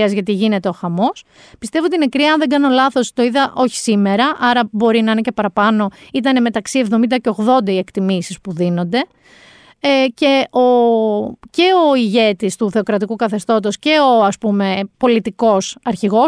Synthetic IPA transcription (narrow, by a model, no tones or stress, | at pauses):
ɐzʝɐt̪iʝine̞t̪e̞o̞xɐmo̞s | pist̪evoot̪ine̞kɾiɐɐnðe̞ŋɡɐno̞lɐθo̞st̪o̞iðɐʔo̞çi̥sime̞ɾɐʔɐɾɐbo̞ɾinɐinecepɐɾɐpɐno̞it̪̬ɐne̞me̞t̪ɐksievðo̞mind̪ɐce̞o̞ɣðo̞nd̪ɐie̞kt̪imisispuðino̞nd̪e̞ | ce̞o | ce̞o̞iʝe̞t̪ist̪uθe̞okɾɐt̪ikukɐθe̞st̪o̞t̪o̞sce̞o̞ɐspume̞po̞lit̪iko̞sɐɾçiɣo̞